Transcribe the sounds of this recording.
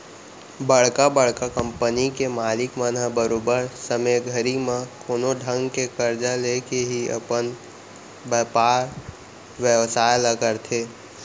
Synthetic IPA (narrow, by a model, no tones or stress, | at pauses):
bəɽ̤kabəɭ̤kakə̃mpənikemaːlɪkmənəbəɾoːbəɾsəmeɡʱəɾimãkoːnoɖʱə̃ŋɡkekəɾd͡ʒalekeɦiɐ̰pən | bəpaːɾ | ʋjəʋsaːjləɡəɾt̪ʰeː